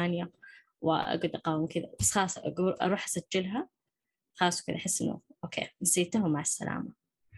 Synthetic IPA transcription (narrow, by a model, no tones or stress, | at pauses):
aːnja | w̰ʔa̰ɡud̪ɑqɑːwmkɪd̪abɑsˤxɑːsˤʔɡuɾʔɑ̰ɾˤuːħʔasad͡ʒːɪlɦa | xɑːsˤwkɪd̪aʔħɪsːʔɪnːṵʔoːkʰḛːnasiːt̪aɦʊmaʕasːa̰la̰ːma